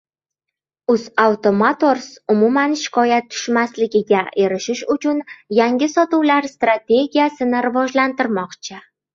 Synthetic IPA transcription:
ʊzawt̪ʰo̞mat̪o̞ɾsʊmumanʃɪ̥kʰɒjat̪ʰːʊ̥ʃmaslɪɡʲɪɡʲaʔe̞ɾɪʃɪʃʊt͡ʃʰʊnjaŋɡʲɪsɒt̪uwlaɾst̪ɾat̪ʰe̞ɡʲijasɪnɪɾɪvɒʒlant̪ɪɾmɒqt͡ʃʰɪ

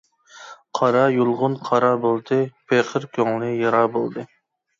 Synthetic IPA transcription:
qʰɑɾɑjulˠʁʊnqʰɑɾɑbolˠd̪ɨpʰeqʰəɾkʲʰøŋlˠɨjɑɾɑbolˠd̪ɨ

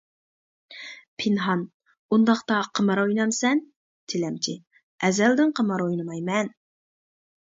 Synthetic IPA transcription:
pʰɪnɦɑn | und̪ɑχqt̪ɑqʰəmɑɾɑujnɑmsɛn | t̪ʰɪlɛmt͡ʃʰi | ɛzɛld̪ɪnqʰəmɑɾujnɨmɑjmɛn

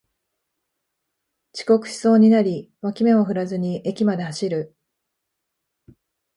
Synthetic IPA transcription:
t͡ɕi̥ko̞kɯ̟̥ɕi̥so̞ːɲ̟inaɾʲiβakʲimẽ̞oɸɯ̟ɾazɨɲ̟iʔe̞kʲimad̪e̞haɕiɾɯ̟

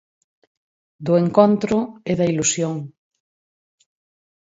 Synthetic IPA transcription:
d̪ʊeŋkont̪ɾʊeðɐilusjoŋ

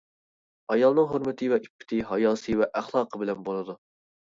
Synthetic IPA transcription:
ɑjɑlˠnɨŋɦoɾmɪt̪ʰɨvɛʔipʰːɪ̥t̪ʰɪɦɑjɑːsɨwɛʔæχlˠɑːqʰəbɪlɛnbolˠɨd̪u

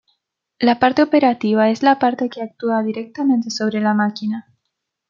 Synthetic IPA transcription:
lapaɾt̪e̞opeɾat̪iβ̞ae̞zlapaɾt̪ekeak̚t̪uaðiɾek̚t̪amẽnt̪e̞so̞β̞ɾe̞lamakina

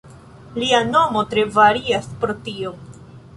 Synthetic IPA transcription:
liano̞mo̞tɾe̞vaɾiaspɾo̞tio̞

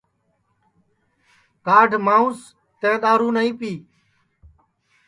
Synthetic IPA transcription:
kaːɖʱmaːũːs | t̪ẽːɗ̪aːɾuːnəĩːpiː

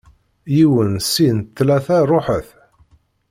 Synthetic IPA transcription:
jiwənsint̪ːlæθærˤːoħəθ

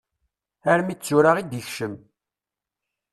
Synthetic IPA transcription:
æɾmit͡sːuɾaʁid̪əçʃəm

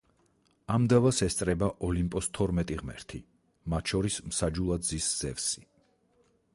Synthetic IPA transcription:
amd̪avasɛst̪sʼɾɛbaʔɔlimpʼɔst̪ʰɔɾmɛt̪ʼiʁmɛ̰ɾt̪ʰi | mat̪ʰʃɔɾismsad͡ʒulˠad̪zisz̥ɛvsi

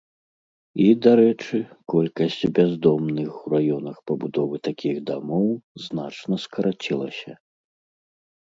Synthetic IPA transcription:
id̪aɾɛt͡ʂɨkɔlʲkɐsʲt͡sʲbʲazd̪ɔmnɨxuɾajɔnɐxpɐbud̪ɔvɨt̪akʲiɣd̪amɔwznat͡ʂnɐskɐɾat͡sʲilˠɐ̰sʲɐ

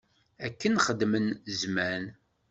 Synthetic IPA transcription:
ækːənχəd̪mənzmæn

